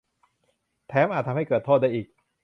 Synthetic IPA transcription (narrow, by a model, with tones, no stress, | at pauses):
t̪ʰɛː˦˥mʔaː˨˩t̪ʰːa˧ha˥˩kɤː˨˩t̪ʰo˥˩daː˥˩jʔiː˨˩k̚